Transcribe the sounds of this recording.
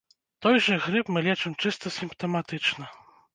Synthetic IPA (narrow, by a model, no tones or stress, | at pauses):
t̪ɔjʐɛɣɾɨpmɨlʲɛt͡ʂɛmt͡ʂɨst̪ɔsʲimpt̪ɛmat̪ɨt͡ʂnɐ